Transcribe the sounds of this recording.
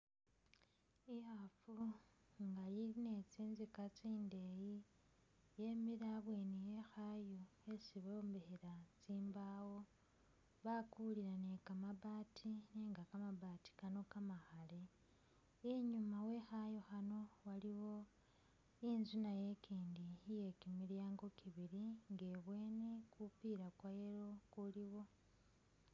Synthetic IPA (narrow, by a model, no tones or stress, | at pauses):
ihafuŋɡajiine̞t͡siːnzikat͡siːnde̞ji | je̞miɾaβweːnije̞xajoe̞siβo̞ːmbeheɾat͡siːmbawo̞ | βakuliɾanekamaβaːtʰineːŋɡakamaβati̥kano̞kamaxale | iɲumawe̞xajoxano̞waliwo̞ | inzunaje̞kiːndije̞kimiljaːŋɡo̞kʰiβiɾiŋɡe̞βwe̞ːne̞kupiɾakwajeɾo̞kuliwo̞